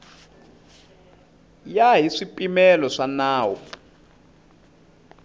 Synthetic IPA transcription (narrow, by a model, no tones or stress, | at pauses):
jaɦiʂipʼimɛlɔʂanaːwɔ